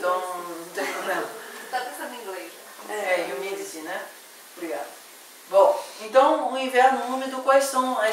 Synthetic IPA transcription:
t̪ɐ̃w̃t̪ẽnɐ̃w̃t̪adɛ̃sɐ̃nɐ̃ĩɡleʒɐɛɛjunid̪isinɛ | bɾiɡad̪ʊ | bõẽt̪ɐ̃w̃uĩvɛɾnʊ̃nũmɪd̪ʊkwajssɐ̃w̃ɛ

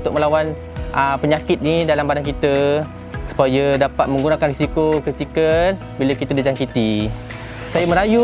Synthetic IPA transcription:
nt̪ʊk̚məlawan | əpəɲakɪt̪̚nidalambadankit̪ə | su̥pajədapat̪̚mə̃ŋɡunakanrisikokɾit̪ikən | bilakit̪adid͡ʒaŋkit̪i | sajamə̃ɾaju

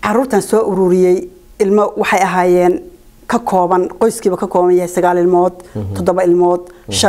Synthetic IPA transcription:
ʕɑɾuːrt̪ʰɐnsɔːʔʊɾʊɾɪjɛj | ɪlmɐwɑħɑjɐɦaːjɛːn | kʰɐkʰɔːβɐnqɔjskʰiːβɐkʰɐkʰɔːβɐnjɐɦɛjsɐɣaːlɪlmɔːd̪ʰɔd̪ɔβɐɪlmɔːd̪ʃɐ

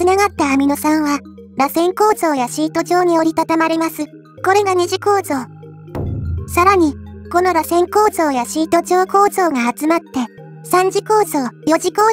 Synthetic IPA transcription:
ɨnaɡat̪ːaːmʲino̞sãɰ̃βa | ɾasẽ̞ŋko̞ːzo̞ːjaɕiːt̪o̞ʑo̞ːɲ̟io̞ɾʲit̪at̪amaɾe̞masɨ | ko̞ɾe̞ɡaɲ̟iʑiko̞ːzo̞ː | saɾaɲ̟iko̞no̞ɾasẽ̞ŋko̞ːzo̞ːjaɕiːt̪o̞ʑo̞ːko̞ːzo̞ːŋaːt͡sɨmat̪ːe̞ | sãɲ̟d͡ʑiko̞ːzo̞ːjo̞ʑiko̞ː

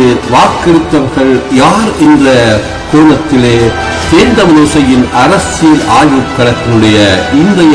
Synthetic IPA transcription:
ʋaːkːɐɾɯt̪ːɐʋɐɾɣɐɭjaːɾɛndrɐ | koːlɐt̪ːɪleː | t̪eːnd̪ɐʋɐloːsɐjɪnʔɐɾɐsɪjɪlaːjɯkːɐɽɐt̪ːɪnɯɽɐjɐɪnd̪ɐjɐ

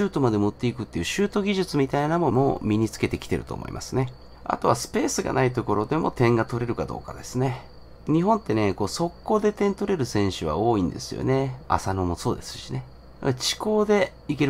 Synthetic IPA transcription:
ɨːt̪o̞mad̪e̞moɯt̪ːe̞ikɯ̟t̪ːe̞jɯ̟ɕɨːt̪o̞ɡʲiʑɨt͡sɨmʲit̪ainamo̞mo̞mʲiɲ̟it͡sɨ̥ke̞t̪e̞kʲi̥t̪e̞ɾɯ̟t̪o̞̰ːmo̰ḭmʔa̰sɨne̞ | a̰t̪o̞βasɨ̥pe̞ːsɨɡa̰nait̪o̞ko̞ɾo̞d̪e̞mo̞̰t̪ẽ̞ŋɡat̪o̞ɾe̞ɾɯ̟kad̪o̞̰ːka̰d̪e̞sɨne̞ | ɲ̟iɦõ̞nt̪ːe̞ne̞koːso̞kːo̞ːd̪e̞t̪ẽ̞nt̪o̞ɾe̞ɾɯ̟sẽ̞ɰ̃ɕɨβa̰o̞ːĩnd̪e̞̰sɨjo̰ne̞a̰sano̞mo̞so̞ːd̪e̞sɨ̥ɕine̞̰ | t͡ɕi̥ko̞ːd̪e̞ | ike̞ɾ

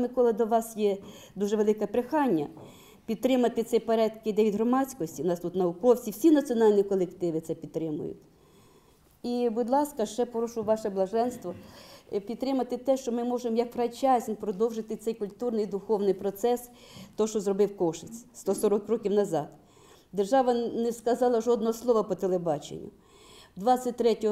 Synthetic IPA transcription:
mɪkɔlˠɪd̪ɔʋɑsjɛ | d̪uʒɛʋelˠɪkɐpɾɪxɑnʲːɐ | pʲid̪̚t̪ɾɪmɐt̪ɪt̪ɛpɐɾɛt̪kɪd̪ɛʋʲid̪ɦɾɔmɑt͡sʲkɔsʲtʲinɑst̪ut̪nɐʋʊkɔwt͡sʲiwsʲinɐt͡sʲiɔnɑlʲnʲikɔlˠekt̪ɪʋɪt̪sɛpʲid̪̚t̪ːɾɪmʊ̰jʊ̰t̪ʲ | ibʊd̪lˠɑskɐʃt͡ʃɛpɔɾɔʃʊʋɑʃɛblˠɐʒɛnst̪ʋɔpʲid̪t̪t̪ːɾɪmɐt̪ɪt̪ɛʃt͡ʃɔmɪmɔʒemɔjɐkfɾɐt͡ʃɑzʲnʲpɾɔd̪ɔwʒɪt̪ɪt̪sɛjkʊlʲt̪urnɪjd̪ʊxɔwnɪjpɾɔt̪sɛs | t̪ɔʃt͡ʃɔzrɔbɪwkɔʃɪt͡sʲst̪ɔsɔɾɔkrɔkʲiwnɐzɑd̪ | d̪erʒɑʋɐnɛskɐzɑlˠɐʒɔd̪nɔɦɔslˠɔʋɐpɔt̪elˠebɑt͡ʃḛnʲːʊ̰ | d̪ʋɑsʲɐt̚ʲt̪ɾɛtʲɔ

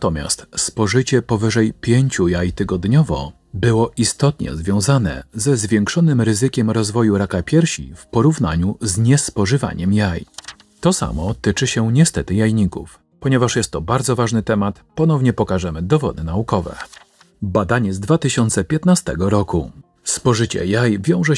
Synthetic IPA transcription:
t̪ɔmʲja̰st̪spɔʐɘt͡ɕɛpɔvɘʐɛjpʲjeɲt͡ɕujajt̪ɘɡɔd̪ɲɔvɔ̰ | bɘwɔʔist̪ɔt̪ɲɛ̰zvʲjɔ̃w̃zanɛ̰zɛzvʲjɛŋkʂɔnɘmɾɘzɘkʲɛmɾɔzvɔjuɾakapʲjɛɾɕḭfpɔɾuvn̪a̰ɲuzɲɛspɔʐɘva̰ɲɛmjaj | t̪ɔsa̰mɔt̪ɘt͡ʂɘɕɛɲɛst̪ɛt̪ɘjajɲikṵf | pɔɲɛvaʂjɛst̪ːɔbaɾd̪zɔvaʐnɘt̪ɛmat̪pɔnɔvɲɛpɔkaʐɛmɘd̪ɔvɔ̰d̪ɘnaukɔvɛ̰ | bad̪aɲɛzd̪vat̪ɘɕɔnt̪sɛpʲjɛt̪nast̪ɛ̰ɡɔɾɔku | spɔʐɘt͡ɕɛ̰jajvʲjɔ̃w̃ʐɛ

